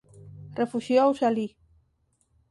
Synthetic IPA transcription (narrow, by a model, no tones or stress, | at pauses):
refuʃjowsali